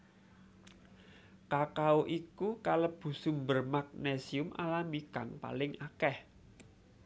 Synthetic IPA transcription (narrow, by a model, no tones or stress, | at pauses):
kakaoʔikukaləb̥ṳsumbərmak̚nesiʊmʔa̰lamiɡ̥a̤ŋpa̰lɪŋakɛh